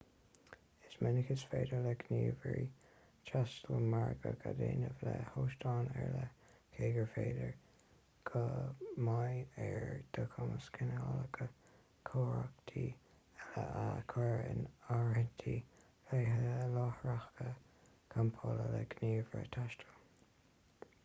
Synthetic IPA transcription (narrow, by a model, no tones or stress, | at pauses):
ɪsmɛnɪkɪsfeːdələɡniːvɹi | t͡ʃʰastəlmaɹɡəɡadeːnəvləhoːʃtɑːnɛɹləkʰeːɡəɹfeːdəɹ | ɡ̥ʰəmajɛɹd̪̥əkʰɔməskʰɪnɑləɡʰə | kʰoːɹakt̪ʰiː | ɛləakʰɛɹɪ̰naɹhɪnt̪ʰi | feɦəlɔhɹaxkə | kʰampʰɔlələɡniːvɹə̰t̪ʰaʃtʰəl